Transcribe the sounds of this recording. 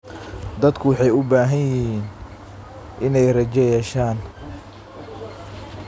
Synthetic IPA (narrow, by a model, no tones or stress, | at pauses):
d̪ɐd̪kʰʊwɑħɑjʊbaːɦɐnjɪɦiːn | ʔɪnɛjrɐt͡ʃɛjɛːʃaːn